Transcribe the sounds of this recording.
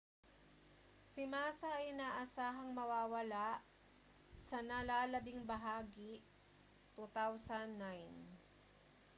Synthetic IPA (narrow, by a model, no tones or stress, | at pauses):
sɪmaːsɐʔɐjnaːʔɐsaːɦɐŋmɐwaːwɐlaʔ | sɐnɐlaːlɐbɪŋbɐɦaːɡɪ | t̪ut̪awsɐnːajn